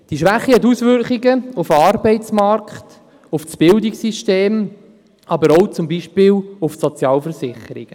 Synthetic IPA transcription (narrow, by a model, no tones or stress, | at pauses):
d̥iʃvʋæχːihɛt̪̬usvʏɾkχiɡəufɑːɾbɛɪt͡smɑɾkχt | ʊfsb̥ɪldiksiʃteːm | ʔɑbəɾɔʊt͡sʊmbiːʃpɪːlʊfsɔt͡sjɑːlfəɾsɪχəɾḭɡ̥